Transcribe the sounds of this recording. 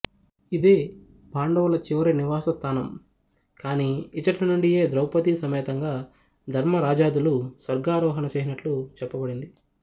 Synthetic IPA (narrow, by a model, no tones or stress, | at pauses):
id̪eː | paːɳɖɐwɐlɐt͡ʃiʋɐɾeniʋaːsɐst̪ʰaːnɐm | kaːniit͡ʃɐʈɐnuɳɖije̞ːd̪ɾɐwpɐt̪isɐmɛːt̪ɐŋɡaː | d̪ʱɐɾmɐɾaːd͡ʒaːd̪ulusʋɐɾɡaːɾɔːɦɐnɐt͡ʃeːsinɐʈlut͡ʃɛpːɐbɐɽind̪i